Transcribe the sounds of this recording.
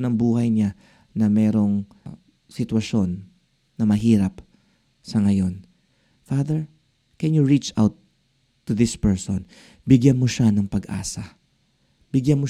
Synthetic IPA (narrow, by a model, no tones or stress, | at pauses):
nɐŋbuːhɐjɲa | nɐmɛːɾo̞ŋ | sɪt̪wɐʃo̞nː | ɐmɐɦiːɾɐp | sɐŋɐjo̞n | faðɛɹ | kɛnjʊɹit͡ʃa̰wt̪ː | ʊðɪspɛɹso̰n | bɪɡjanmoʃanɐŋpɐɡʔa̰ːsɐ | bɪɡjanmo